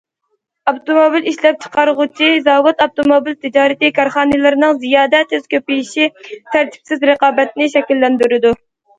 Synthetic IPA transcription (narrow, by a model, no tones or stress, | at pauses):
ɑbt̪omobiliʃlɛp̚t͡ʃʰə̥qɑɾʁʊt͡ʃʰizɑːwut̪ɑb̚t̪omobilt̪ʰɪd͡ʒɑːɾɪt̪ɨkʰɑɾχɑːnɨlˠɨɾɪnɨŋzijɑːd̪ɛt̪ʰøz̥kʲʰøpɪjiʃit̪ʰæɾt̪ʰi̥psɪzɾəqɑːbɛt̪nɪʃɛkʲilːɛnd̪yɾɪd̪u